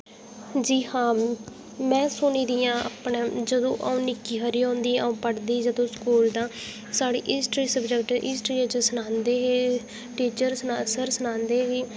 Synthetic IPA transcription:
d͡ʒiːhãː | mɛ̃ːsʊniːd̪ɪjãːa̰ːpɳẽːd͡ʒəd̪õːʔaũːnɪkiːɦəɾiːõːnd̪iːəũːpəɽd̪iːd͡ʒəd̪õːskuːld̪ãː | saːɽḭːʔɪsʈɾiːsəbd͡ʒəkʈɪːsʈɾiːət͡ʃəsənãːnd̪eːɦeː | ʈiːt͡ʃəɾsənasəɾsənãːnd̪eːɦeː

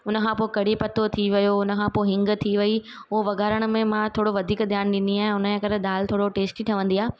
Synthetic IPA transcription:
ʊnə̆kʰãːpoːkɐɽ̤ipɐt̪ot̪ʰiʋɐjoʊnə̆kʰãːpoɦɪ̃ŋɡt̪ʰiʋɐi | ʊoʋɐɡaːɾəɽ̃mẽmãt̪ʰoːɽoʋɐd̪ʱiːkd̪ʱjaːnɗɪ̃nd̪iaːɦʊnəd͡ʑẽkɐɾɗ̪aːlt̪ʰoːɽoʈeːsʈiʈʰɐʋə̃nd̪iaːɦ

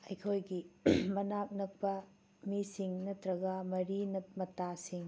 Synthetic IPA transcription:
ɐjkʰojɡimɐnak̚nɐk̚pɐ | misiŋnɐtɾɐɡɐmɐɾinɐmɐtasiŋ

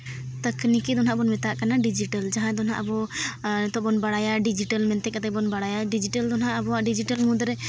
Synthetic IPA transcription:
t̪əknikid̪ɔnɦaʔbɔnmɛt̪aʔkanaɖid͡ʒiʈəld͡ʒaɦãd̪ɔnɦã̰ʔabɔ | t̪ɔʔbɔnbaɽajaɖid͡ʒiʈəlmɛnt̪ɛkat̪ɛbɔnbaɽajaɖid͡ʒiʈəld̪ɔnɦaʔəbɔaɖid͡ʒiʈəlmũd̪ɾɛ

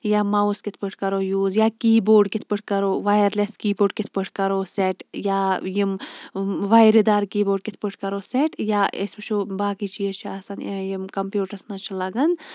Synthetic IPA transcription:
jaːmɐwskit̪ʰpɨʈʰkɐɾoːjuːzjaːkiːboːɾɖkit̪̚ʰpɨʈʰkɐɾoːʋajɐɾleskiːboːɾɖ̚kit̪ʰpɨʈʰkɐɾoːseʈjaːjim | ʋajɾed̪aːɾkiːboːɖ̚kit̪ʰpɨʈʰkɐɾoːseʈjaʔḛsbɨt͡ʃʰubaːkit͡ʃʰijət͡ʃʰɐsɐnjimkɐmpjuːʈɐɾsnɐt͡ʃʰilɐɡɐn

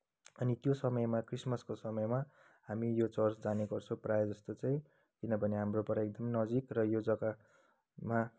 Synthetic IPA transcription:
ʌnit̪josʌmʌjmakrismʌskosʌmʌjma | hamijot͡sʌrsd͡zaneɡʌrt͡sʰõprajʌd͡zʌst̪ot͡saĩ | kinʌbʱʌneɦamropʌɾaek̚d̪ʌmnʌd͡zikrʌjod͡zʌka | ma

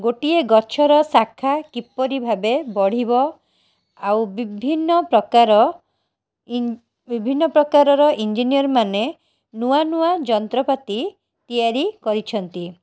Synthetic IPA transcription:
ɡoʈieɡɔt͡ʃʰɔɾɔsakʰːakipːɔɾibʱabebɔɽ̤ibɔ | awbibʱinːɔpɾɔkaɾɔ | bibʱinːɔpɾɔkaɾɔɾɔʔind͡ʒinijɔɾɔmane | nuanuad͡ʒɔnt̪ɾɔpat̪i | t̪ijaɾikɔɾit͡ʃʰɔnt̪i

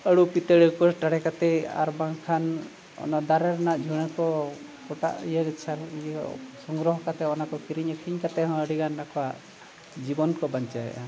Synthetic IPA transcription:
əɽupit̪eɽikɔʈaɽɛkat̪ɛa̰ɾbaŋkʰan | ɔ̰nad̪aɾɛɾanaʔd͡ʒʱuɽ̃ɛkɔ | kɔʈa̰ʔḭjəɡit͡ʃʰa | sɔŋɡɾɔɦɔkat̪ɛɔnakɔkiɾiɲɔkʰiɲkat̪ɛɦɔ̃əɽiɡanːakɔwaʔ | d͡ʒibɔnkɔbaɲt͡ʃaɦɛ̰ʔa̰

